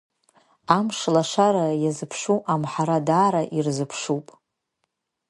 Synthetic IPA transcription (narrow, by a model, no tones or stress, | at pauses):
amʂlaʂaɾajazɨpʰʂuʔamħaɾadaːɾaʔirzɨpʰʂupʼ